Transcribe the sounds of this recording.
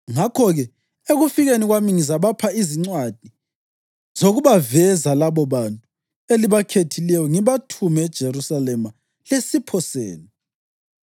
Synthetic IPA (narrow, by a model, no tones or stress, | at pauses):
ŋakʰɔɣɛ | eɣufiɣeniɣwamiŋizaβapʰaiziŋ͡ǀwad̥ʱi | z̥oɣuβavɛzalaβɔβantʼu | eliβakʰetʰilɛjɔŋiβatʰumɛːd̥ʒ̥ʱerusalɛma | lesipʰɔsḛːni